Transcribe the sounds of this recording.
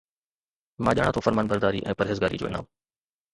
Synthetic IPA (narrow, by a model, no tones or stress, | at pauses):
mãːʄaːɽ̃ãt̪ʰoːfəɾmaːnbəɾd̪aːɾiʔɛ̰̃ːpɐɾɦeːzɡaːɾḭd͡ʑo̰ːɪ̰na̰ːm